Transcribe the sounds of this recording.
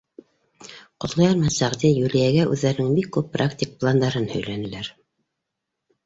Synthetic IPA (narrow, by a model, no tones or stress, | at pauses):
qŏt̪lˠɑjɑɾmɑsæʁd̪ijulijæɡæʔʉðːæɾɘ̆nɘŋbikːʉpːrakt̪ʲɪk̚plˠand̪ɑɾɤnhɵ̆jlænɘ̆læɾ